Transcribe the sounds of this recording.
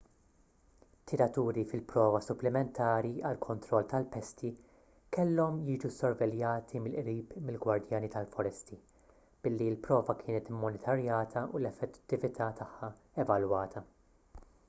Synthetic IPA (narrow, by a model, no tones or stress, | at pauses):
t̪ʰːɪɾɐt̪uːɾifɪlpɾɔːvɐsʊplɪmɛnt̪ʰɐːɾiɐlkʰɔnt̪ɾɔlːt̪ɐlpɛst̪i | kɛlːɔmjiːd͡ʒusɔɾvɛljɐːt̪ʰimɪlʔɾiːpmɪlɡwɐɾd̪jɐːnit̪ɐlfɔɾɛst̪i | b̥ɪlːiɪlpɾɔːvɐkʰɪːnɛt̪ɪmːɔnɪt̪ʰɐɾjɐːt̪ʰɐʔulɛfːɛtt̪ːɪvɪt̪ʰɐːt̪ʰɐħːɐ | ɛvɐlwɐːt̪ʰɐ